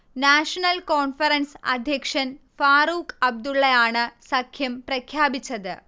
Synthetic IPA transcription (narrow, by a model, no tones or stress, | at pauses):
naːʂɐnɐlkoːnfɐɾɐnsɐ̰d̪ʱjɐkʂɐn | faːɾuːkɐb̚d̪uɭːɐjaːɳɨsɐkʰjɐmprɐkʰjaːbit͡ɕːɐðɨ